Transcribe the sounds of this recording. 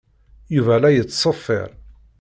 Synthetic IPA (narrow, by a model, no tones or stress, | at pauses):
juvælæjət͡sːsˤəfːɪ̰ɾˤ